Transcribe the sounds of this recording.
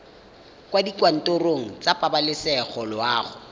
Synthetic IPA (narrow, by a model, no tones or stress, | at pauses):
kwadikwan̩tʼoroŋ̩t͡sapʼabalɪsɛχɔlʊaːχʊ